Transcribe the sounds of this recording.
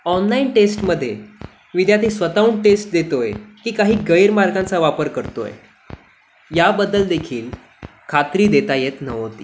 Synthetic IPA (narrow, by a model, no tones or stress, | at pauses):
ɔnlainʈesʈməd̪ʱːje | ʋid̪jat̪ʰiːsʋət̪auːɳʈesʈ̚d̪et̪ojkiːkaɦiːɡəjɾmaɾɡãnt͡saʋapəɾkəɾt̪o̰jḛ | jabəd̪ːəld̪ekʰiːl | kʰat̪ɾiːd̪et̪ajet̪nəʋot̪ḭː